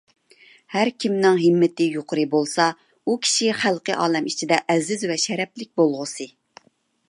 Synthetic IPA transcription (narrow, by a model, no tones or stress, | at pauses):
hæɾkʲimnɪŋɦɪmːɪt̪ɪjoqʰʊɾɨbolˠsɑ | ukʲʰi̥ʃiχælˠqəʔɑːlɛmit͡ʃʰid̪ɛʔɛzɪzvɛʃɛɾɛplɪk̚ʲbolˠʁʊsɨ